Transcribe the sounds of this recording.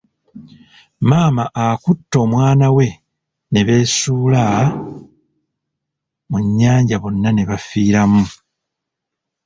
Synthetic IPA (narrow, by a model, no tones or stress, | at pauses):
maːmaʔakutːo̞ːmwaːnawe̞ | ne̞βe̞ːsuːla | muɲːaːɲɟaβo̞nːane̞βafiːɾamu